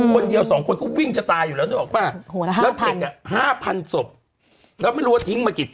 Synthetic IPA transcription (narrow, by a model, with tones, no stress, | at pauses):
kʰo˧ndi˧əwsɔː˩˦ŋkʰo˧nkɔ˥˩wi˥˩ŋt͡ɕa˨˧˩t̪aː˧juː˨˩lɛ˦˥na˥˩˨ɔː˨˩maː˥˩ŋɛː˦˥ke˨˧˩ka˨˩haː˥˩pʰa˧nso˨˩p̚ | ɾaː˦˥˩wma˥˩jɾu˦˥a˥˩t̪ʰi˦˥ŋmaː˧ki˨˩